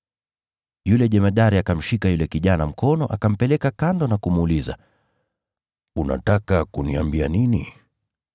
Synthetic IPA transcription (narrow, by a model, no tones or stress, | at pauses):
julɛʄɛmaɗaɾiakam̩ʃikajulɛkiʄanam̩kɔnɔʔakam̩pɛlɛkakandɔnakumuliza̰ | una̰takakuniambianini